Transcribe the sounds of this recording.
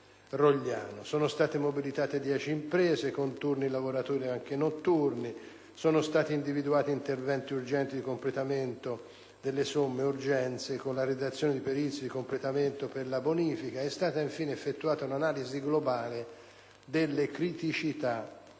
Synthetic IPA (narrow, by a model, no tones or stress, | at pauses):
roʎːa̰ːnosɔːnost̪aːt̪emobilit̪aːt̪ed̪jɛːt͡ʃiːmpɾɛːzekont̪urnilavoɾat̪oːɾiaŋk̟enot̪ːurni | soːnost̪aːt̪iind̪ivid̪uaːt̪iint̪ervɛnt̪iurd͡ʒɛnt̪id̪ikomplet̪ament̪o | d̪elːesomːeurd͡ʒɛnt̪sekonlared̪at̪sːjoːned̪ipeɾit̪sjod̪ikomplet̪ament̪operlaboniːfikaɛst̪aːt̪aiɱfiːneːfːet̪ːuaːt̪aunanaːliziɡlobaːle | d̪elːekɾit̪it͡ʃit̪a